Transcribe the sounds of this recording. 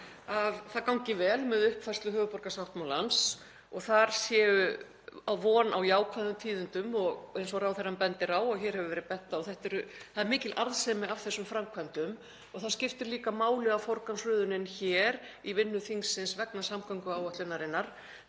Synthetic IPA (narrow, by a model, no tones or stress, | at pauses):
aðθaðkawŋcɪvɛːlmɛðʏhpfɛr̥st̪lʏɦœːvʏpɔɾkasawht̪mawlans | ɔɣθaɾ̥sjɛːʏ | awvɔːnawjaːwkʰvaðʏmt̪ʰiːðʏnt̪ʏmɔɣejnsɔɾaːwθɛrːampɛnt̪ɪɾaːwɔɣçɛːɾ̥hɛvʏvɛːɾɪpɛht̪ːaɔθɛht̪ɛɾʏθaðɛɾmɪːcɪlʔaɾðsɛmɪavθɛsːʏmfɾamkʰvant̪ʏm | ɔɣθaðscɪft̪ɪɾliːkamaːwlɪɣawfoɾkamsɾʏːðʏnɪnçɛːɾ | ivɪnːʏθiŋsɪnsvɛknasamkʰaŋkʏaːwœht̪lʏnːaɾɪnːaɾ̥